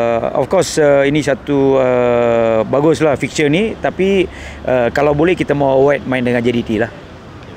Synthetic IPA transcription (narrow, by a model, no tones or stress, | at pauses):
ɔ̰fkɔrsəinisat̪uə | baɡʊslahfik̚sənit̪apiʔəkalawbolɛhkit̪amawwat̪̚maɪndəŋand͡ʒadit̪ilah